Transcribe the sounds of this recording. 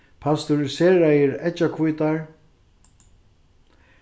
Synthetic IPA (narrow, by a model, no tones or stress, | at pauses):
pʰast̪ʊɾɪseːɾajəɾɛt͡ʃakʰvujt̪aɹ